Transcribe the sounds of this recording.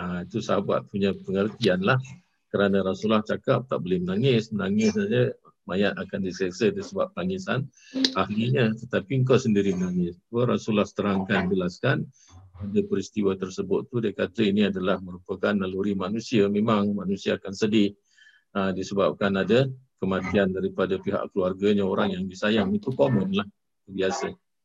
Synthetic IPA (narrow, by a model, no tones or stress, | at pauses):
ait̪usaba̰ʔ̪̚puɲapəŋərt̪ianlah | kəɾanəɾasulaht͡ʃakap̚t̪aʔbolɪhmənaŋɪsmənaŋɪsaə | majat̪akandisiasədasəbap̚t̪aŋɪsan | ahliɲət̪ət̪apiŋk̬asəndiɾimənaŋɪswəɾasulahst̪əɾaŋkand͡ʒəlaskan | adapəɾist̪iwat̪ərsəbʊt̪t̪ːudajkat̪əiniadalahməɾupəkanːaluɾimanusiamemaŋmanusiaːkansədɪ | ədisəbap̚kanadakəmat̪iandaɾipadapiɦa̰ʔkəluarɡaɲaoɾaŋjaŋbisajaŋit̪ukomənlah | ubiasa